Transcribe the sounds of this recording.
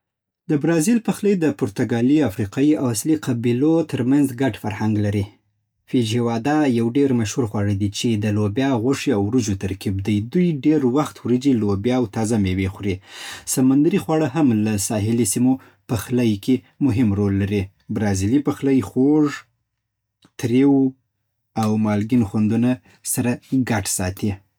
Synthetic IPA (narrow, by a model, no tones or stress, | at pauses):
d̪əbɾɑzilpaxləjd̪əpʊɾt̪aɡɑliafɾiqɑjiawasliqabilot̪əɾmanzɡaʈfaɾhaŋɡlaɾi | fid͡ʒiwɑd̪ajawɖeɾmaʃhuɾxwɑɻəd̪it͡ʃed̪əlobjɑɣʊʂiawɾud͡ʒot̪aɾkibd̪əjd̪ujɖeɾwaxt̪wɾəd͡ʒilobjɑːwt̪ɑzamewexɾisamand̪aɾixwɑɽəɦamlasɑɦɪlisimo | pəxlajkʰe | mʊɦɪmɾolːaɾi | bɾɑzilipəxləjxoʐ | t̪ɾew | awmɑlɡinxwand̪una | saɾaɡaʈsɑt̪i